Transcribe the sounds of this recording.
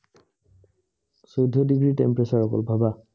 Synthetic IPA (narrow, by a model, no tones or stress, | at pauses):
sɔjdʱɔdiɡɹiʈḛmpɹesaɹɔkɔ̰lbʱaba